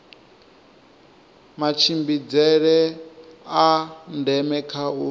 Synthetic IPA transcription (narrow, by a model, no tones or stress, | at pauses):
mat͡ʃʰimbid͡zɛɺɛ | andɛmɛkʰau